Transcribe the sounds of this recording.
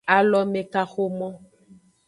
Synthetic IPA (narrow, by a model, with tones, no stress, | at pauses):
a˨lɔ˨me˨ka˨xo˦mɔ̃˦